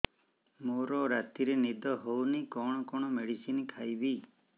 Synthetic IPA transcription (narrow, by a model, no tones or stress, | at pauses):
moɾɔɾat̪iɾenid̪ʱɔɦownikɔɽ̃ɔkɔɽ̃ɔmeɽisinikʰajbi